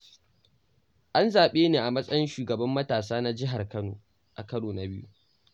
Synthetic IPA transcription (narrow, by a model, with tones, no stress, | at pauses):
ʔa˦nzaː˨ɓeː˦neː˨ʔa˨mɐ˦sʼɐ˦jɪ˦nʃuː˨ɡɐ˨bɐ˦mːɐ˦taː˨s̬aː˦na˦d͡ʒɪ˦ɦa˨rkɐ˦no̰ː˨ | ʔa˨kɐ˦noː˨na˨bɪ˦jṵ˦